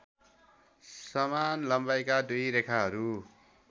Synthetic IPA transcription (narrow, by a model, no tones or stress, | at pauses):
sʌmanlʌmbajkad̪ujɾekʰaɦʌɾu